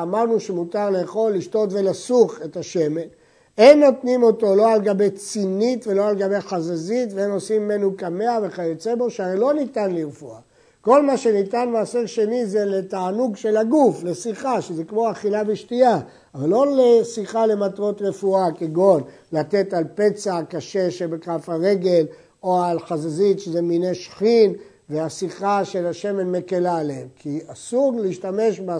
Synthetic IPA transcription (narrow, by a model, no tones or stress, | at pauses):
amaʁnuʃemut̪aʁle̞ːχo̞lːiʃto̞t̪ve̞lasuχe̞t̪aʃeme̞l | enːo̞tnimo̞to̞lo̞alɡabe̞jt͡sinit̪ve̞lo̞alɡabe̞jχazezitveeno̞simːenukame̞ave̞χajet͡sebo̞ʃeaʁelo̞nit̪anliʁfua | ko̞lmaʃe̞nit̪anmaːseʁʃe̞nizeletaːnuɡʃe̞laɡuflesiχaʃezekmo̞aχilabiʃtia | avalːo̞lesiχale̞matʁo̞t̪ʁe̞fuakeɡo̞n | lat̪e̞t̪alpe̞t͡sakaʃe̞ʃebekafaʁe̞ɡe̞l | oalχazazit̪ʃezemineʃχin | veasiχaʃe̞laʃeme̞nme̞kelaleemkʰiasuʁleiʃtame̞ʃba